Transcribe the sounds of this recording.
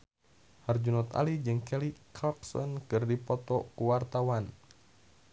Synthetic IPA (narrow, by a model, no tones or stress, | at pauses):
hard͡ʒunɔt̪a̰lid͡ʒɨŋkɛlikʰalksɔ̰nkɨrdipɔt̪ɔkuwart̪awan